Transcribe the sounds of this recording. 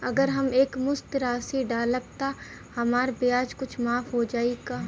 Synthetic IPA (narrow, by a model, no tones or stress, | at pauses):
ɐɡəɾɦɐmeːkmʊst̪ɾaːsiɖaːləb̚t̪a | hɐmaːɾbiaːd͡ʒkʊt͡ʃʰmaːfɦod͡ʒaːiɡaː